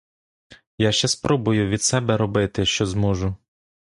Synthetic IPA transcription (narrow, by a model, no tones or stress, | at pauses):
jaʃt͡ʃɛspɾʔɔbʊjʊʋʲid̪̥sɛbɛɾɔbɪt̪ɪʃt͡ʃɔzmɔʒʊ